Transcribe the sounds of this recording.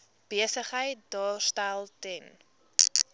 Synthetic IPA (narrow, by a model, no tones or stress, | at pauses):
b̥iəsəχɦəjt̚dɑːrstælˠtɛn